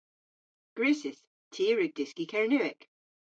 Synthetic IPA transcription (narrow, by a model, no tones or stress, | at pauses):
ɡ̥ɹʉːˑsɪs | tʰiːɹʉɡ̚d̥ɪskikʰɛɹnʉɪk